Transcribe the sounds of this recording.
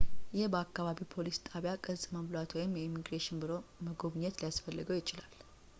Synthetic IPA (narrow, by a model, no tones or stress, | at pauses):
jɪhbəakːaβaβipʰo̞list̪ʼaβjakʼəzʼməmlwat̪wɔjɪmjɛimiɡɾeʃɪnbɨɾo̞məɡo̞βɲːɛt̪lijasfəlːɨɡəwjɪt͡ʃʼɪlal